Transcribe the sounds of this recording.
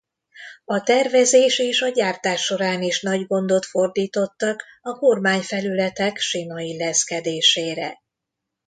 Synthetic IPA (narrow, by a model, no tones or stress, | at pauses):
ɒt̪ɛrvɛzeːʃeːʃɒɟaːrt̪aːʃːo̞ɾaːniʃnɒɟɡo̞nd̪o̞t̪fo̞rd̪iːt̪o̞t̪ːɒkɒko̞rmaːɲfɛlylɛt̪ɛkʃimɒilːɛskɛd̪eːʃeːɾɛ̰